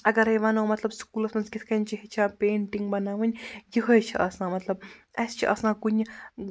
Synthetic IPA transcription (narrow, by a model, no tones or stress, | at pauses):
ɐɡɐɾɐjʋaːnoːmɐt̪lɐbskuːlɐsmɐnsɡʲit̪ʰkɐnʲt͡ʃʰiɦit͡ʃʰaːpeːɳʈiŋɡbɐnaːʋɨnʲɡiɦojet͡ʃʰiʔɐsnaːmɐt̪lɐb̚ɐst͡ʃʰiʔɐ̰snaːɡuɲ